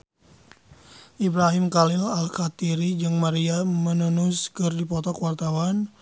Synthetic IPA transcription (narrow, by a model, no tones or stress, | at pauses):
ʔibɾaɦɪmkalɪlalkat̪iɾid͡ʒɨŋmaɾiamənunʊskɨrdipɔt̪ɔkwart̪awan